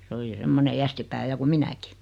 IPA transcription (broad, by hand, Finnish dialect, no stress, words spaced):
se oli semːone jæstipæː jɑ ku minæki